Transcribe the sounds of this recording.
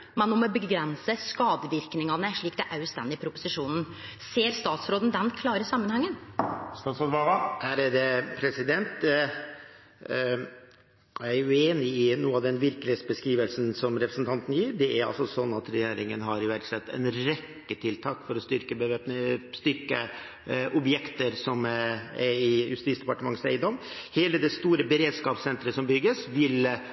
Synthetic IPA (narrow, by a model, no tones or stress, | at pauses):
mɛnːɔmɛbəɡɾɛnsəskɑːd̪əʋɪɾknɪŋɑnəʂɭiːk̚d̪ɛʔœʉst̪ɛ̰nd̪ɪpʰɾʊpʊsɪʂuːnn̩seːɾst̪ɑːt̪sɾoːd̪n̩d̪ɛnkʰlɑːɾəsɑmːənhɑŋːənst̪ɑːsɔʋɑlɑæɾd̪ɛpʰɾɛsɪd̪ɛnt̪ | ææɾʉeːnɪɪnuːəɑʋd̪ɛnʋɪɾkəlɪesbəskɾiːʋəlsnsɔmɾɛpɾəsnt̪ʰɑnt̪n̩jiːɾɖɛæɾɑ̰lsɔsɔnːɑt̪ɾɛjeːɾɪŋənɦɑɾɪʋæɾʈsɛt̪ːɛ̰nɾɛkːət̪ʰɪlt̪ʰɑːkfɔɾɔst̪ʏɾkəbəʋeːpnst̪ʏɾkə | ʔɔbjɛkt̪əɾsɔmɛɪjʉst̪iːtsd̪ɛpɑʈəmɑŋːəsæ̰ɪd̪ɔmheːləd̪ɛst̪uːɾəbəɾeːd̪skɑːpsɛnt̪ɾəsɔmbʏɡəsʋɪl